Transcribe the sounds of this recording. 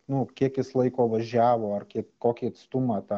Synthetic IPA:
nʊkʲiɛkjɪslˠɐɪkoːʋɐʒʲæːʋoːɐrkʲiɛkkoːkʲiːɐt̪st̪ʊmɑːt̪ɑ

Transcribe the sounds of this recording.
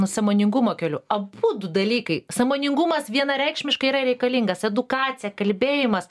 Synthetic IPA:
nʊsɐmoːnʲɪŋɡʊmoːkʲɛlʲʊɐbuːd̪ʊd̪ɐlʲiːkɐɪsɐmoːnʲɪŋɡʊmɐsʋʲiɛnɐɾʲɛɪkʃʲmʲɪʃkɐiɾɐɾʲɛɪkɐlʲiŋɡɐsɛd̪ʊkɑːt͡s̪ʲɪjɛkɐlʲbʲeːjɪmɐs

